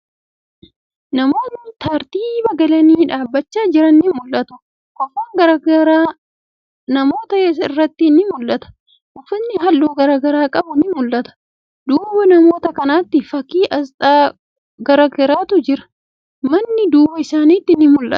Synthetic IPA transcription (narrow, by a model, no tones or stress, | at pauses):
nɐmo̞ːt̪nɪt̪aːɾt̪iːbɐɡɐlɐniːᶑaːbːɐt͡ʃːaːd͡ʒɪɾɐnːɪmʊlːɐt̪ʊ̥ | kɔfaːŋɡɐɾɐɐɾaː | nɐmo̞ːt̪ɐjɛsɐɪrːɐt̪ːɪnɪmʊlːɐt̪ɐ̥ | ʔɔfɪnːɪɦɐlːuːɡɐɾaːɡɐɾaːkʼɐbʊnɪmʊlːɐt̪ɐ̥ | d̪uːbɐnɐmo̞ːt̪ɐkɐnaːt̪ːɪfɐkiːʔɐst̪ʼaː | ɡɐɾɐɡɛɾaːt̪ʊd͡ʒɪɾɐ̥ | mɐnːɪd̪uːbɐɪsaːniːt̪ːɪnɪmʊlʔɐ̰t̪